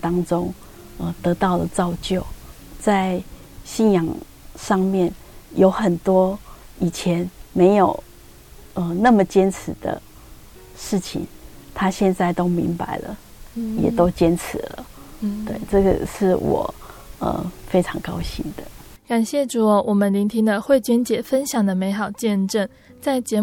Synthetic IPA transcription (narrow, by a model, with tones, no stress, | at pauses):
t̪ɑ˥ŋʈ͡ʂo˦ŋ | ə˨t̪ɤ˧˥t̪ɑ˥˩ʊlə˩t͡sɑ˥˧ʊt͡ɕjo˥˨ʊ | t͡sa˥˧ɪ | ɕi˥˩njɑ˨˩ŋ | ʂɑ˥˧ŋmjɛ˥˨˩n | jo˧˥ʊxə˨˩nt̪wɔ˥ | i˨˩t͡ɕʰjɛ˧˦nme˧˥ɪjo˨˩ʊ | ə˧na˥˩mə˨t͡ɕjɛ˥nt͡sʰɻ̩˧˦d̪̥ə̰˧ | ʂɻ̩˥˩t͡ɕʰḭ˨˩ŋt̪ʰa˥ɕjɛ˥˧nt͡sa˥˩ɪt̪o˦ʊmḭ˧˦ŋpa˨˩ɪlə̰˦ | jɛ̰˨˩t̪o˥˦ʊt͡ɕjɛ˦˥nt͡sʰɻ̩˨˦lə̰˦t̪we˥˩ɪʈ͡ʂə˥˩ɡə̰˨˩ʂɻ̩˥˩wɔ̰˨˩ə̰˨˩fe˥ɪʈ͡ʂʰɑ˧˥ŋkɑ˥ʊɕḭ˥˩ŋd̪̥ə˩ka˨˩nɕjɛ˥˩ʈ͡ʂu˨˩˦wʔɔ˨˩mə˦nli˧˥ŋt̪ʰi˥ŋd̪ə˧xwe˥˩ɪt͡ɕɥɛ˥nt͡ɕjɛ˨˩fə˥nɕjɑ˨˩ŋd̪ə˦me˧˥ɪxɑ˨˩ʊt͡ɕjɛ˥˧nʈ͡ʂə˥˩n | t͡sa˥˩ɪt͡ɕjɛ˧˥